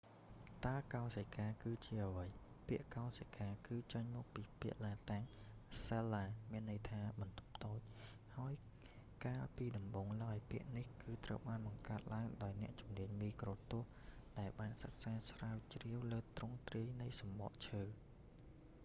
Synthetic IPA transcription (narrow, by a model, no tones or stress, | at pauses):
t̪aəkaɔsəkaːkɨːt͡ɕiəʔəʋəj | piəʔkaɔsəkʰaːkɨːt͡ɕəɲmɔːk̚piːpiəʔlaːt̪aŋ | selːaːmiənːɨjt̪ʰaːɓɑnt̪u̥p̚t̪oːc̚ | haəj | kaːlpiːɗɑmɓoːŋlaəjpiəʔnihkɨːt̪rə̰wɓaːnɓɑŋkaət̪̚laəŋɗaɔjnɛ̆əʔt͡ɕumniəɲmiːkroːt̪ʊ̆əhɗaɛlɓaːnsək̚saːsraəwt͡ɕriəwləːt̪rʊŋt̪riəjnɨjsɑmɓo̰ʔt͡ɕʰəː